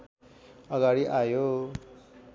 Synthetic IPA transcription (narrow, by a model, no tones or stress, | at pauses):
ʌɡaɽiʔajo